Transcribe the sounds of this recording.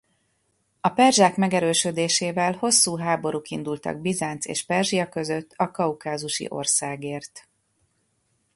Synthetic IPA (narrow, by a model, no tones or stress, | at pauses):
ɒpɛrʒaːkmɛɡɛɾøːʃød̪eːʃeːvɛlho̞sːuːɦaːbo̞ɾukind̪ult̪ɒ̰ɡ̚bizaːnt̪sḛːʃpɛrʒijɒkø̞zøt̪ːɒkɒukaːzuʃḭʔo̞̰rsaːɡeːrt̪